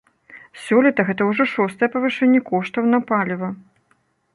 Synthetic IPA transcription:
sʲɔlʲɛt̪ɐɣɛt̪ɐwʐɔʂɔst̪ɐjɛpɐvɨʂɛnʲːɛkɔʂt̪ɐwnɐpalʲivɐ

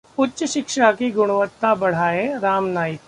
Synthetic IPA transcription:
ʊtːʃʃɪkʃakiɡʊɽ̃ʊʋət̪ːãbɐɽ̤aːẽɾaːmnaːjɪk

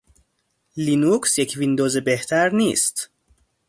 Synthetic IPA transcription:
linuksjecʰvind̪oːzebeht̪ʰæɾniːst̪

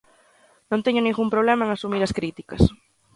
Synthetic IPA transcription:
nõnt̪eɲʊnĩŋɣumpɾoβ̞lemɐeŋasumiɾɐskɾit̪ikɐ̰s

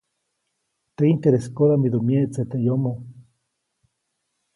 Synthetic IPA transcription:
t̪eint̪eɾeskoðamid̪omjet͡set̪ejomo

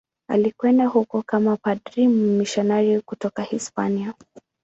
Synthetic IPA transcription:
a̰likwɛndahukɔkamapadɾimumiʃanajikutɔkahispania

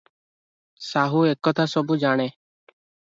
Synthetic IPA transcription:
saːɦuːeːkːoːt̪ʰaːsɔbuːd͡ʒaːɽ̃eː

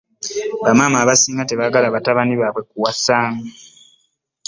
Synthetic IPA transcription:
βamaːmaːβasiːŋɡateβaːɡalaβataβaniβaːβwe̞kuwasaːŋɡa

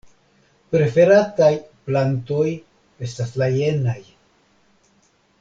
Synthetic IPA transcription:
pɾe̞fe̞ɾatajplanto̞j | e̞staslaje̞naj

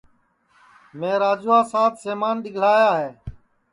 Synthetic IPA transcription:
mẽːɾaːd͡ʒuːaːsaːt̪seːmaːnɗɪɡʱl̤aːjaːɦeː

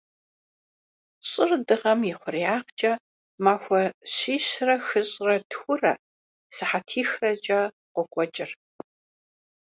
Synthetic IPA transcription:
ɕʼɪrdɨʁɐmjɪχʷʊriaːʁt͡ʃʼɐ | maːxʷɐɕiːɕrɐxɨɕʼrɐtxʷʊrɐ̰ | sɨħatʰiːxrɐt͡ʃʼɐ | qʷɔkʷʼɔt͡ʃʼɪr

